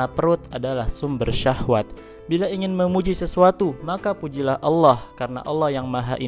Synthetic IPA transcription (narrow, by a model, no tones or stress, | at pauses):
apəɾʊt̪adalahsʊmbərʃahwat̪̚ | bilaiŋɪnməmud͡ʒisəsuat̪umakapud͡ʒilahʔɑlːɔhkaɾəna̰ʔɑlːahjaŋmaɦa̰ʔi